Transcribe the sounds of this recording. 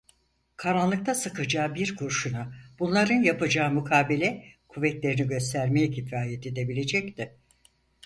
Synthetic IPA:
kʰaɾanlˠɯk̚t̪ʰasɯkɯd͡ʒaːbiɾkʰuɾʃunab̥unlˠaɾɯnjapɯd͡ʒaːmukʰaːbilʲɛkʰuvːɛt̪lʲe̞ɾiniɟø̞st̪ʰæɾmejɛcʰifɾaːjet̪ʰed̪e̞bilʲe̞d͡ʒɛct̪ʰɪ

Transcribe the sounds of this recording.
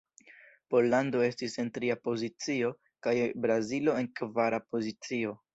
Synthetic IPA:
po̞llando̞e̞stise̞ntɾiapo̞zit͡sio̞ | kajbɾazilo̞e̞nkvaɾapo̞zit͡sio̞

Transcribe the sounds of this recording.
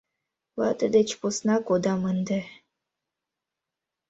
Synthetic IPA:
lˠɑt̪əd̪et͡ɕposnɑkod̪ɑmənd̪ɘ̆

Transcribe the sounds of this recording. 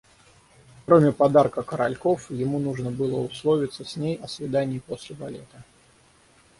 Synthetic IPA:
kɾɔmʲɐpad̪arkɐkɐɾa̰lʲkɔfjɪmunuʐnəbɨlˠɔuslˠɔvʲit̪sːəsʲnʲejɐsʲvʲɪd̪anʲːipɔsʲlʲɪba̰lʲɛt̪ɐ

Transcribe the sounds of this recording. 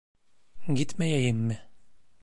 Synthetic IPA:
ɡit̪mæjæjɘmːɘ

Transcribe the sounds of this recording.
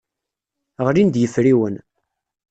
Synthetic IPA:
ʁɾind̪jəfɾiwən

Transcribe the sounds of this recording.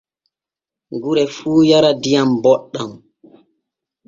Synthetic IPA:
ŋɡuɾɛfuːjaɾadijambɔɗːam

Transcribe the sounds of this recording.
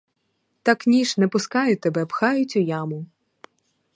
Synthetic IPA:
t̪ɑknʲiʃnɛpʊskɑjʊt̪ɛbɛpxɑjʊt͡sʲʊjɑmʊ

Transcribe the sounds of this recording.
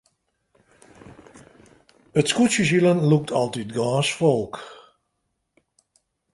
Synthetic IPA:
ətskusjəs̬ilənluk̚tʰɔlˠtitɡaːsfɔlˠk

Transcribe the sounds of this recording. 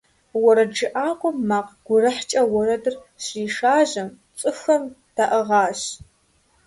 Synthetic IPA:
wɔɾɐd͡ʒɨʔaːqʷʼʊmːaːqɡ̥ʷʊrɐħt͡ʃʼɐwɔɾɐdɨrɕiːʂaːʑɐm | t͡sʼɨxɐmd̥aʔɐʁɑːɕ

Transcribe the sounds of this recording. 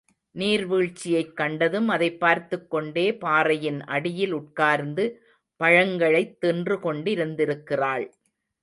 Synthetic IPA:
niːɾʋiːɻt͡ʃːɪjɐɪkːɐɳɖɐðɯmɐðɐɪpːaːɾt̪ɯkːɔɳɖeːpaːrɐjɪnɐ̰ɽɪjɪlʊʈ̚kaːɾnd̪ɯ | pɐɻɐŋɡɐɭɐɪt̪ːɪndrɯkɔɳɖɪɾɯnd̪ɪɾɯkːɪraːɭ

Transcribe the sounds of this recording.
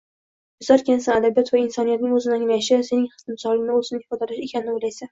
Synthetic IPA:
bʊzaɾkʲansanad̪abijɒt̪vaɪnsɒnijat̪nɪŋɵzɪnɪaŋlajɪʃɪse̞nɪŋχɨ̥sɪmsɒlˠɪnɪozɪnɪhɪfɒd̪alaʃe̞kʲʰanɪnɪojlajsa

